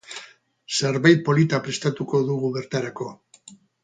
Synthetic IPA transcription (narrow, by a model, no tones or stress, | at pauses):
se̞ɾβajt̪̚po̞lit̪apɾe̞st̪at̪uko̞ðuɣuβe̞ɾt̪aɾako̞